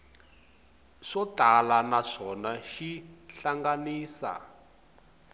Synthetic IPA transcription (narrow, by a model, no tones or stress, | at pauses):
ʂɔtalanaʂɔnaʃiɬaŋɡaniːsa̰